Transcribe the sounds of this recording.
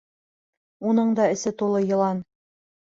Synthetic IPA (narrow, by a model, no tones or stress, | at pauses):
unɤɴd̪ɑɘ̆sɘt̪ulˠɤjɤ̆lˠɑn